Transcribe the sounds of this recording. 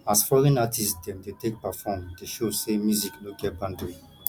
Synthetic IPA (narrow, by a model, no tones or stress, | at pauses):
asfɔlɛ̃natʰisdɛ̃mdetʰek̚pafɔ̃mdeʃosemjuziknoɡɛt̚bãndɹĩ